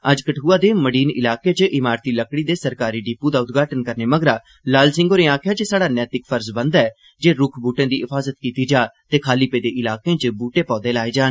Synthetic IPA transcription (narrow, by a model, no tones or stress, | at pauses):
əd͡ʒkəʈʰuːaːd̪eːməɽiːnɪ̰laːkeːt͡ʃʔɪmaːɾt̪iːləkɽiːd̪eːsəɾkaːɾiːɖiːpuːd̪aːʊt̪ɡaːʈənkəɾneːməɡɾaː | laːlsɪ̃ŋɡoːɾeːaːkʰɪjaːt͡ʃəsaːɽaːnɛːt̪ɪkpʰəɾzbənd̪ɛː | d͡ʒeːɾʊkʰbuːʈẽːd̪iːɪfʰaːzət̪kiːt̪iːd͡ʒaːt̪eːkʰaːliːpeːd̪eːʔɪlaːkẽːt͡ʃbuːʈẽːpɔ̃ːd̪eːlaːeːd͡ʒaːn